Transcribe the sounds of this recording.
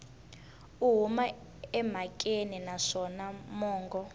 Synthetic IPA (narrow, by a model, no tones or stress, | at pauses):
uɦuma | ɛm̤akʼeninaʂɔnamɔːŋɡɔ